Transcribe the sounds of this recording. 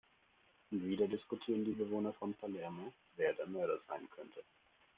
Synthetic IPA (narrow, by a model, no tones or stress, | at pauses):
ʔʊntv̥iːdɐdɪskutʰiːʁəndiːbəvoːnɐfɔnpʰalɛɐmo | veːɐdɛɐmœɐɾəz̥a̰ɪnkʰœntʰə